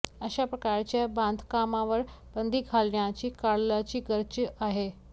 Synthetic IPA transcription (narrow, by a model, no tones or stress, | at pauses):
əɕapɾəkaɾt͡ɕjabãnd̪ʱkamãʋəɾ | b̥ənd̪ʱiːɡʱalɳjat͡ɕiːkaɽlat͡ɕiːɡəɾt͡ɕəʔaɦe